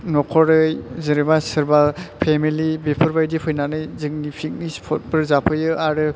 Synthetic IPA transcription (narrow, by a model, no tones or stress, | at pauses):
nɔkʰɔɾɯjzɯɾibasɯɾbapʰemilibepʰɔɾbajdipʰɯjnanɯjzɯk̚nipʰik̚nispʰɔt̚pɯɾzapʰɯjɯaɾɯ